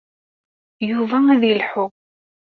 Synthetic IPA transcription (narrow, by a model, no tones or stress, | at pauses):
juvææðilħʊ